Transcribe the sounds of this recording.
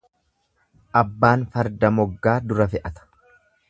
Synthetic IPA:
ʔɐbːaːnfɐɾd̪ɐmɔɡːaːd̪ʊɾɐfɛʔɐt̪ɐ̥

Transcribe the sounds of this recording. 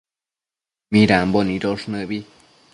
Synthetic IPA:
mĩɾambonĩɾoʂnɨ̃bi

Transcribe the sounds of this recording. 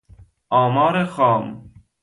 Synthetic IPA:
ɔːmɑːɾexɔːm

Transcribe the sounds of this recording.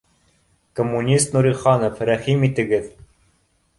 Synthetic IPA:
komːunʲist̪nuɾʲiχɑnofɾæχimit̪ɘ̆ɡɘð

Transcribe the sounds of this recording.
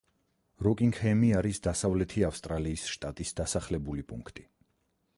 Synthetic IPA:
ɾɔkʼiŋɡhɛmiaɾisd̪asavlɛt̪ʰiafst̪ʼɾaliːsʃt̪ʼat̪ʼisd̪asaχlɛbulipʼuŋkʰt̪ʼi̥

